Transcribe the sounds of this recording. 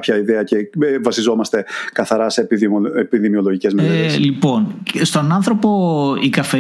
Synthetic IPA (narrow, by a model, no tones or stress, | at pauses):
pçɐiðeɐce̞vɐsizo̞mɐst̪e̞kɐθɐɾɐse̞epiðimio̞lo̞ʝice̞zmeeslipo̞nst̪o̞nɐnθɾo̞po̞ikɐfe